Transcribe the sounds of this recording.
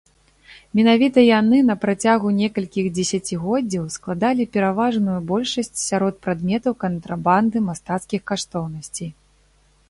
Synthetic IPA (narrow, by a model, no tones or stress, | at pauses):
mʲɛnavʲit̪ɐjanɨnɐpɾat͡sʲaɣunʲɛkɐlʲkʲiɣd͡zʲɛsʲat͡sʲiɣɔd͡zʲːɐwsklˠad̪alʲipʲɛɾavaʐnujubɔlʲʂɐsʲt͡sʲsʲaɾɔt̪̚pɾad̪mʲɛt̪ɐwkɐnt̪ɾaband̪ɨmast̪at̪skʲixkaʂt̪ɔwnɐsʲt͡sʲij